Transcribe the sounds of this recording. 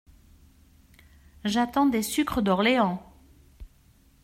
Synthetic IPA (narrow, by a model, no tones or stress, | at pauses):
ʒat̪ɑ̃d̪esykχəd̪ɔʁleɑ̃